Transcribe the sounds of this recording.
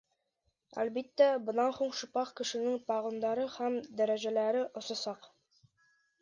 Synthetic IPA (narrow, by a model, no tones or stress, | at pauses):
æ̰lbit̪ːæbɤ̆nɑnhuɴʃɤ̆pɑqkɘ̆ʃɘ̆nɘŋt̪ɑʁɤ̆nd̪ɑɾɤhæmd̪æɾæʑælæɾɘʔŏsɑ̆sɑq